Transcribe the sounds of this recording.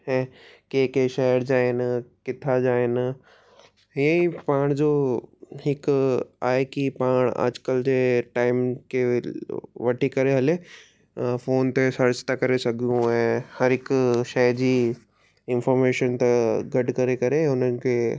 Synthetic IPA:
ɦɛ̃ːkeːkeʃɛɦəɾd͡ʑaːenkɪt̪ʰad͡ʑaːɪn | jəĩpaːɽ̃d͡ʑoɦɪkaːɦekipaːɽ̃a̰ːd͡ʑkəld͡ʑeːʈaːɪmke | ʋɐʈʰikɐɾeɦɐle | foːnt̪esɐɾt͡ʃt̪akɐɾesɐɡʱijũɦɛ̃hɐɾɪkʃɛd͡ʑiː | ɪnfɔːɾmeːʃənt̪eɡɐɖʱkɐɾekɐɾẽʊnənɪ̆ke

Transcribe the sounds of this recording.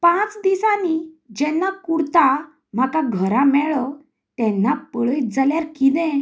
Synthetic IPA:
pãt͡sd̪isanid͡ʑɛ̃nːakuɽt̪a | m̤akaɡʱəɾãmɛɭɔ | t̪ɛ̃nːapəɭəjt̪̚d͡zaljaɾkid̪ɛ̃

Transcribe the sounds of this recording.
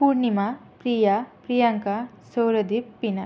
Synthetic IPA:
puɾnima | pɾiːjapɾijaŋkasowɾɐd̪ippːina

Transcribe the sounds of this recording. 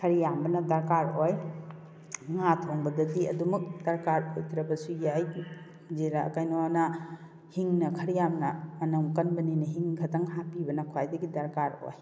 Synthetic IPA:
kʰɐɾijambɐnɐdɐɾkaɾoj | ŋatʰoŋbɐdɐdiɐ̰dumɐk̚d̥ɐɾkaɾojtʰɾɐbɐsujaj | d͡ʒeɾaɐ̰kajnowanɐ | hiŋnɐkʰɐɾijamnɐmɐnɐmkɐnbɐninɐɦiŋkʰɐtɐŋɦapibɐnɐkʰajdɐɡidɐɾkaɾo̰j

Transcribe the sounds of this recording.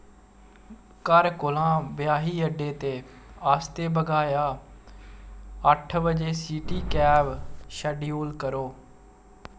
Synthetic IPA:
kəɾkʊlãːbjaːɦiːəɖeːt̪eː | aːst̪eːbəɡaːjaː | əʈʰbəd͡ʒeːsiːʈiːkɛːʋʃəɖijuːlkəɾoː

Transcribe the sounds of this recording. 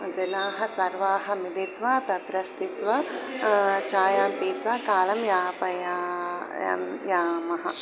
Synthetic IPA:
d͡ʒɐnaːɦɐ̆sɐɾʋaːɦɐ̆milit̪ʋaːt̪ɐt̪ɾɐst̪it̪ʋɐ | t͡ʃaːjaːmpiːt̪ʋaːkaːlɐmjaːpɐja̰ | mjaːmɐɦɐ̰̆

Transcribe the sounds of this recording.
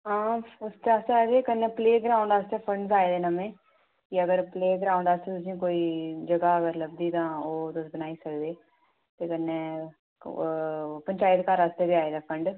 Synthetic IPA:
ɦãːʊst͡ʃ̪aːst̪aːed̪eːkənːeːpleːɡəɾaːʊɳd̪aːst̪eːpʰəɳɖsaːeːd̪eːnəmẽː | kɪəɡəɾpleːɡəɾaːʊ̃ɳd̪aːst̪eːt̪ʊs̬ĩːkoːiːd͡ʒəɡaːəɡəɾləbd̪iːt̪ãːoːt̪ʊsbənaːiːsəkd̪eː | t̪eːkənːeː | pəɲt͡ʃaːɪt̪kaɾəst̪eːbɪaːeːd̪aːpʰəɳɖ

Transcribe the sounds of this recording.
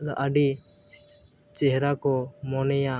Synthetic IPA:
d̪ɔʔəɖi | t͡ʃɛɦɾakɔmɔnɛja

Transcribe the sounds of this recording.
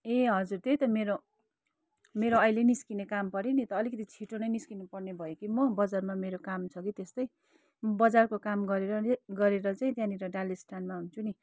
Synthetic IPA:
eɦʌd͡zurt̪ejt̪ʌmeɾo | meɾoʌjleniskinekampʌɾinit̪ʌːlikʌt̪it͡sʰiʈonʌjniskinupʌrnebʱʌjekimʌbʌd͡zarmameɾokamt͡sʰʌkit̪est̪ʌj | bʌd͡zarkokamɡʌɾeɾʌɡʌɾeɾʌt͡saĩt̪jãniɾʌɖalesʈanmaɦunt͡sʰuni

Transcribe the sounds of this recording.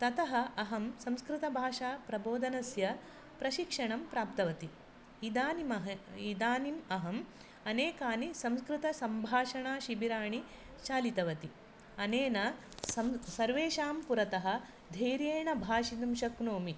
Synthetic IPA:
t̪ɐt̪ɐɦɐ̆ɐɦɐmsɐ̃mskɾɪt̪ɐbʱaːʂaːpɾɐboːd̪ʱɐnɐsjɐ | pɾɐʃikʂɐɳɐmpɾaːp̚t̪ɐʋɐt̪iː | d̪aːnimɐɦɐid̪aːnimɐɦɐm | ɐneːkaːnisɐ̃mskɾɪt̪ɐsɐmbʱaːʂɐɳaːʃibiɾaːɳi | t͡ʃaːlit̪ɐʋɐt̪i | ɐneːnɐsɐmsɐɾʋeːʃaːmpuɾɐt̪ɐɦɐ̆ | d̪ʱeːɾjeːɳɐbʱaːʃid̪ɐmʃɐknoːmi

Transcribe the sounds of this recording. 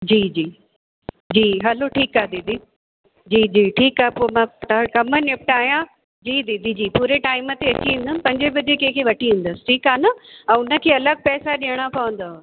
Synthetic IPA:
d͡ʑiːd͡ʑiː | d͡ʑiːɦɐloʈʰiːkaɦed̪ɪd̪i | d͡ʑiːd͡ʑiːʈʰiːkaːɦepoːmãʈkɐmənɪp̚ʈaːɦijã | d͡ʑiːd̪id̪ʱid͡ʑiːpuːɾeʈaːɪmət̪eɐt͡ɕiũn̆d̪ən̆pɐ̃ɲd͡ʑebɐd͡ʑekɐ̃ɪ̃kʰeʋɐʈiɦũːn̆d̪əsɪ̥ʈʰiːkaːnɐɛ̃ːʊnə̆kʰeːɐləɡ̚pɛːsaɗijəɽ̃apaːʋə̃n̆d̪a

